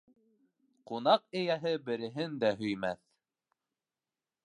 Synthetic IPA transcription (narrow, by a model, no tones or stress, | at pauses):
qunɑqɘ̆jæɦɘbɘ̆ɾɘ̆ɦɘnd̪æɦɵ̆jmæθ